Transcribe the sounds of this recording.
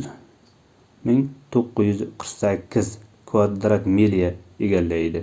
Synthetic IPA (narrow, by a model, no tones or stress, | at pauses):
mɪŋt̪ʰoqːɨzjʏzqʰɾɨ̥qsakʲʰːɪzkʰvad̪ɾat̪melijaeɡʲalːaed̪ɪ